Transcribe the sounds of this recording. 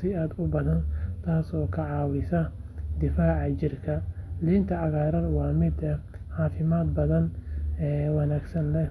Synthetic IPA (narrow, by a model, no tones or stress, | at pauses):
sɪaːd̪ʊbɐðɐnt̪ʰaːsɔːkʰɐʕɑːwɪsɐ | d̪ɪfaːʕɑt͡ʃɪrkʰɐliːnt̪ʰɐɑɣaːɾɐnwɑːmɪd̪ | ħɑːfɪmaːd̪̚bɐðɐnɛːwɑnaːɡsɐnlɛ